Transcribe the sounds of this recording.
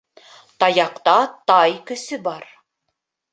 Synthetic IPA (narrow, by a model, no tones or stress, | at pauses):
t̪ɑjɑqt̪ɑt̪ɑjkɵ̆sɵbɑɾ